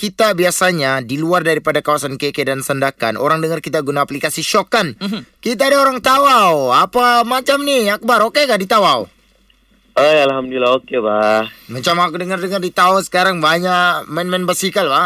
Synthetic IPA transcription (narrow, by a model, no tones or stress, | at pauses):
kit̪abiasaɲadiluardaɾipadakawasankekedansəndaka̰nʔo̰ɾaŋdəŋarkit̪aɡunaːplikasiʃokankit̪̬aːdaoɾaŋt̪awawapamat͡ʃamniak̚baɾokekadit̪awaw | ajalɦamduilaokebamat͡ʃamakudəŋardəŋardit̪aasə̥kaɾaŋbaɲakmɛnmɛnbasikalba